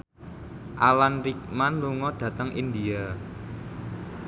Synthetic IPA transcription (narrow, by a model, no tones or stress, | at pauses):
ʔalanɾik̚manluŋɔd̪̥ä̤t̪əŋʔḭnd̪ia